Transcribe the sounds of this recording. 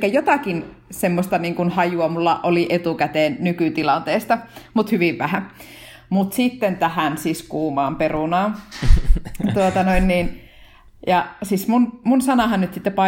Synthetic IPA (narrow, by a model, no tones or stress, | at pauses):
kːæjot̪ɑkin | semːost̪ɑniːŋkunhɑjuɑmulːɑʔʔoliʔet̪ukæt̪eːnnykyt̪ilɑnt̪eːst̪ɑmut̪hyʋiʋʋæhæ | mut̪sit̪ːent̪æhænsiskuːmɑːmperunɑːn | t̪uot̪ɑnoinniːn | jɑsismunmunsɑnɑhɑnnyt̪sit̪ːepɑ